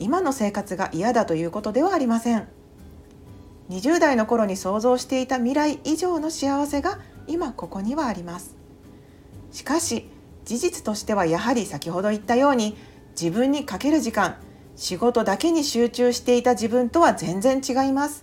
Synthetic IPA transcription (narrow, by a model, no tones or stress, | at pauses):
imano̞se̞ːkat͡sɨɡa̰ʔijad̪at̪o̞jɯ̟ːko̞t̪o̞d̪e̞β̞aːɾʲimasẽ̞ŋ | ɲ̟iʑɨːd̪aino̞ko̞ɾo̞ɲ̟iso̞ːzo̞ːɕi̥t̪e̞it̪amʲiɾaiʔiʑo̞ːno̞ɕiaβase̞ɡaimako̞ko̞ɲ̟iβaːɾʲimasɨ̥ | ɕi̥kaɕi | d͡ʑiʑit͡sɨ̥t̪o̞ɕi̥t̪e̞β̞ajaɦaɾʲisakʲiho̞d̪o̞it̪ːajo̞ːɲ̟i | d͡ʑibɯ̟̃ɲ̟ːikake̞ɾɯ̟ʑikãŋ̃ | ɕiɡo̞t̪o̞d̪ake̞ɲ̟iɕɨːt͡ɕɨːɕi̥t̪e̞it̪aʑibɯ̟̃nt̪o̞β̞azẽ̞nd͡zẽ̞ɲ̟t͡ɕiɡaimasɨ̥